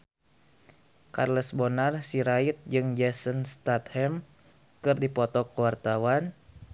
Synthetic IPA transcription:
ka̰rləsbɔnarsiɾait̪̚d͡ʒɨŋd͡ʒɛsənst̪at̪hɛm | kɨrdipɔt̪ɔkəwart̪awan

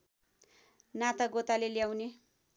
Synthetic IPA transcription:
nat̪aɡot̪aleljawne

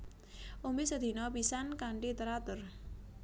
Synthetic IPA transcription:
ombisəd̪ʱinɔpisankaɳʈit̪əɾat̪ʊɾ

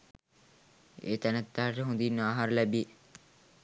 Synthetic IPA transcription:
ḛːt̪ænət̪ːaɦaʈəɦũnd̪inːaːɦaɾəlæbie

